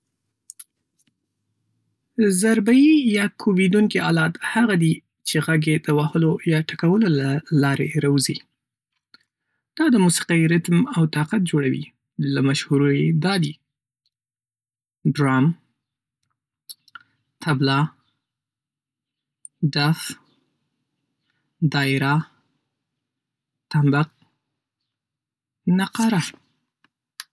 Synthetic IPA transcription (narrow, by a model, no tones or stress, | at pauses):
zaɾbajijɑkʰowid̪uŋkiɑlɑt̪haɣad̪i | t͡ʃeɣaɡed̪̥əwahəlojɑʈakawəlolalɑɾḛɾawzi | d̪̥ɑd̪əmusi̥qɑiɾɪt̪mawt̪ɑqat̪̚d͡ʒoɽawḭ | lamaʃhuɾojed̪ɑd̪i | ɖɾɑm | t̪ʰablɑ | d̪af | d̪ɑɪɾa | t̪ambaq̚ | naqɑɾa